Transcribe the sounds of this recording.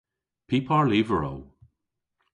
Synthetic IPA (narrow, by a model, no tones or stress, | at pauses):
pʰipʰɑɹlivəɹo̰ʊ